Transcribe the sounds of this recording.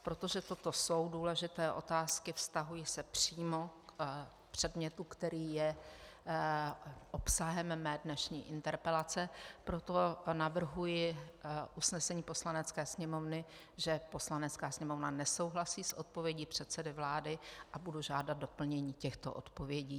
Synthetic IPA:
pɾo̞t̪o̞ʒɛt̪o̞t̪o̞so̞wduːlɛʒɪt̪ɛːʔo̞̰t̪aːskɪfst̪aɦujɪsɛpr̥iːmok | pr̝̥ɛdmɲɛt̪ukt̪ɛɾiːjɛ | ʔopsaɦɛmmɛːdnɛʃɲḭːʔɪnt̪ɛɾpɛlat͡sɛpɾo̞t̪o̞navr̩ɦujɪʔusnɛsɛɲiːpo̞slanɛt͡skɛːsɲɛmo̞vnɪ | ʒɛpo̞slanɛt̪t͡skaːsɲɛmo̞vnanɛso̞wɦlasiːsʔot̪̚po̞vjɛɟiːpr̝̥ɛt̪sɛdɪvlaːdɪʔabuduʒaːdat̪̚dopl̩ɲɛɲiːcɛxt̪o̞̰ʔo̰t̪po̞vjɛɟiː

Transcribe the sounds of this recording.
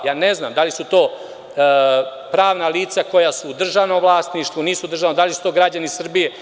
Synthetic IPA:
jaːnezna̰ːmd̪alisut̪o̞ː | pɾaːʋnaliːt̪sako̞jasud̪r̩ʒaʋnomʋlˠaːst̪niʃt̪ʋuniːsud̪r̩ʒanod̪alisu̥t̪o̞ːɡɾad͡ʑanisr̩bije

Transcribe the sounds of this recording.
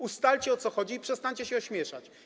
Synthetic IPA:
ust̪alt͡ɕɛɔt̪sɔxɔd͡ʑiːpʂɛst̪aɲt͡ɕɛɕɛɔɕmʲjɛʂa̰t͡ɕ

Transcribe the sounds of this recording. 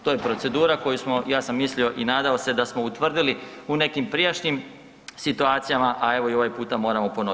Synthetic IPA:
t̪ojepɾo̞t̪se̞d̪uːɾako̞jusmo̞jaːsamːislio̞ʔinaːd̪aose̞d̪asmo̞ut̪ʋr̩d̪ili | une̞kimpɾijaʃɲim | sit̪uaːt̪sijamaʔae̞ʋo̞io̞ʋajpuːt̪amo̞ːɾamo̞po̞no

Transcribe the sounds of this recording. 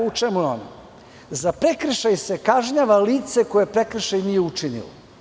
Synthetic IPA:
ut͡ʂemujo̰na | zapɾekɾ̩ʃajsekaʒɲaʋaliːt̪se̞ko̞jepɾe̞kr̩ʃajnijeut͡ʂinḭlo̰

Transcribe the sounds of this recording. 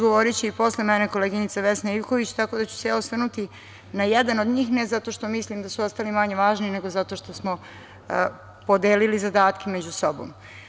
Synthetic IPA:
ɡoʋoɾit͡ɕeipo̞slemɛneko̞leɡinit̪saʋesnaiʋko̞ʋit͡ɕt̪ako̞d̪at͡ɕu̥se̞jaosʋr̩nut̪i | najed̪anod̪ɲiːxnezat̪o̞ʃt̪o̞mislimd̪asuost̪alimaɲe̞ʋaːʒniine̞ɡo̞zat̪o̞ʃt̪o̞smo | po̞d̪eːlilizad̪aːt̪kʰemed͡ʑuso̞bo̰m

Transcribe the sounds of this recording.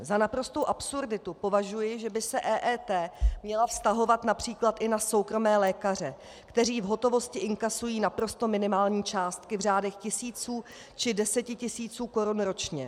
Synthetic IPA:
zanapɾo̞st̪owʔapsuɾdɪt̪upo̞vaʒujɪʒɛbɪsɛʔɛːʔɛːt̪ɛːmɲɛlafst̪aɦo̞vat̪napr̝̥iːklat̪ʔɪnaso̞wkɾo̞mɛːlɛːkar̝ɛ | kt̪ɛriːvɦo̞t̪o̞vo̞scɪʔɪŋkasujiːnapɾo̞st̪o̞mɪnɪmaːlɲiːt͡ʃaːst̪kɪvr̝aːdɛxcɪsiːt͡suː | t͡ʃɪdɛsɛcɪcɪsiːt͡suːko̞ɾunɾo̞t͡ʃɲɛ

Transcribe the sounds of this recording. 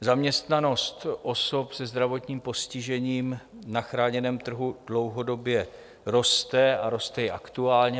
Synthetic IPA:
zamɲɛst̪nano̞st̪ʔo̞so̞psɛzd̪ɾavo̞t̪ɲiːmpo̞scɪʒɛɲiːm | naxɾaːɲɛnɛːmt̪r̩ɦudlo̞wɦo̞do̞bjɛ | ɾo̞st̪ɛaɾo̞st̪ɛjɛʔakt̪uaːlɲɛ

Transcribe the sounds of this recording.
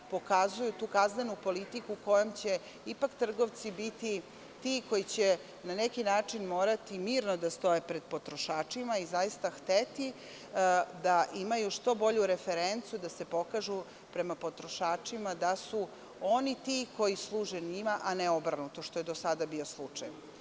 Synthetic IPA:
po̞kazujut̪uːkaznenupo̞lit̪ikuko̞jomt͡ɕe̞ | ipakt̪r̩ɡo̞ʋt̪sibit̪i | t̪iko̞jit͡ɕe | nanekinaːt͡ʂinmo̞ːɾat̪imiːɾnod̪ast̪o̞jepɾe̞d̪̥̚po̞t̪ɾoʃaːt͡ʂimaizajist̪axt̪et̪i | d̪aʔimajuʂt̪o̞bo̞ʎuɾefeɾent̪sijud̪ase̞po̞kaʒu | pɾe̞mapo̞t̪ɾoʃaːt͡ʂimad̪asu | o̞nit̪iko̞jislˠuːʒenimaʔaneo̞bɾanut̪oʃt̪o̞je̞d̪osad̪abio̞slˠut͡ʂaj

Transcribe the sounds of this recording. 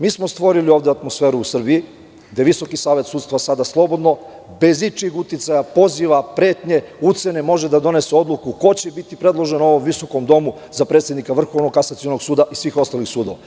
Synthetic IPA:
miːsmo̞st̪ʋo̞ɾilio̞ːʋd̪eat̪mo̞sfe̞ːɾuusr̩bii | ɡd̪eʋiso̞kisaːʋe̞t̪suːd̪st̪ʋasad̪aslˠo̞bo̞d̪no̞ | be̞zit͡ʃixut̪it̪sajapo̞ziʋapɾe̞ːt̪ɲe̞ut̪se̞ne̞mo̞ʒe̞d̪ad̪o̞ne̞seo̞d̪lˠukuko̞t͡ɕebit̪ipɾe̞d̪lˠo̞ʒe̞noo̞ʋo̞mʋiso̞ko̞md̪o̞mu | zapɾe̞ːt̪sjed̪nikaʋr̩xo̞ʋnoɡkasat̪sio̞no̞ɡsuːd̪aʔisʋiːxo̞st̪alixsuːd̪o̞ʋa

